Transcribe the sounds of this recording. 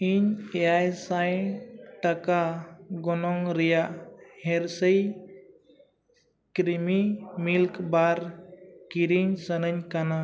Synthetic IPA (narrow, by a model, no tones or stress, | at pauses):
iɲeajsajʈəkaɡɔnɔŋɾijaheɾsəj | kɾimimilkbaɾkiɾiɲsənəɲkana